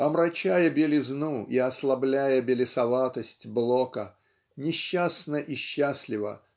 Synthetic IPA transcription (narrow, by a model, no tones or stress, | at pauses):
ɐmɾɐt͡ɕajəbʲɪlʲɪznuʔiɐslˠɐblʲæjəbʲɪlʲɪsɐvat̪əsʲtʲblˠokə | nʲɪɕːasnəʔiɕːasʲlʲɪvə̰